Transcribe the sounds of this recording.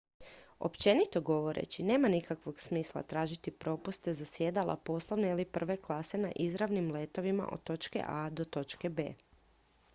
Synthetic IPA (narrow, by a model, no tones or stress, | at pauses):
o̰pt͡ʃe̞nit̪o̞ɡo̞ʋo̞ɾḛt͡ɕine̞ːmanikakʋo̞ɡsmiːslˠa̰t̪ɾaːʒit̪ipɾo̞pust̪e̞zasjeːd̪alʔa̰po̞ːslˠoʋneilipr̩ʋe̞klˠaːse̞naʔizɾaʋnimlet̪o̞ʋima̰ʔo̰t̪ːo̞t͡ʃkḛʔad̪o̞t̪o̞t͡ʃkebeː